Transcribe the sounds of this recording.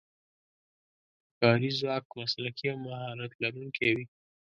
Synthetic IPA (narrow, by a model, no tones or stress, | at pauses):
kɑɾizwɑk̚maslakiawmahɑlat̪laɾuŋkʰewi